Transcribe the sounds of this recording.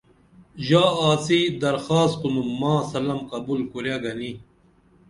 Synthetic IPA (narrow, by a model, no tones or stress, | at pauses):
ʑaːaːsid̪ɐɾxaːst̪̚qunumːãːsɐlɐmqɐbulkuɾjaɡɐni